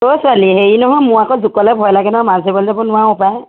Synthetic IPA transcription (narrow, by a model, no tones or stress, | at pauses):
tosʊaliɦeɹinɔɦɔjmʊ̃akɔzukɔlɛbʱɔjlaɡɛnɔɔmãzebɔlzabɔnʊwaʊpaj